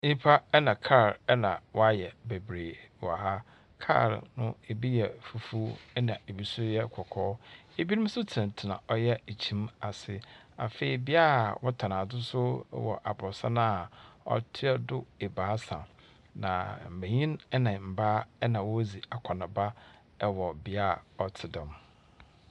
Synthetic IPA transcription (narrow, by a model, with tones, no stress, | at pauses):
ɲĩ˦pʰa˦ɛ˦nã˨kʰa˦˨ɾɛ˦nã˨wʔɔ˦a˦jɛ˨be˨bɾeː˨wɔ˨ha˦ | kʰa̰˦˨ɾnʊ̃˦e˨bi˦jɛ˨fu˨fu˦ɛ˦nã˨e˨bi˦sʊ˦jɛ˦kʰɔ˨kʰɔː˦e˨bi˦nɪ̃˦sʊ˦tʰɪ˨ã˨tʰɪ˨nã̰˨ʔɔ˦jɛ˦e˨t͡ɕʰĩ˦ma˨sɪ˦ | a̰˨fe˨i˨bɪ˦a˦˨wɔ˦tʰa˨nã˨dʊ˦sʊ̰˦wɔ̰˨ʔa˨bɔ˨sa˦na˦˨ɔ̰˦tʰɪ˦ɛ˦dʊ˦e˨baː˨˦sã˨ | nã̰˨m̩˨bæ̃˨ɲĩ˦nɛ˦nã˨m̩˨ba˦ɛ˦nã˨wɔ˦zi˨a˨kʰɔ˨nã˨ba˦ | wɔ˨bɪ˨a˦˨ɔ˦tʰɪ˨dɛ̃˨m